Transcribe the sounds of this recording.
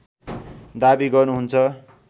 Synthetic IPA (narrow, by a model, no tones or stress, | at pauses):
d̪abiɡʌrnuɦunt͡sʰʌ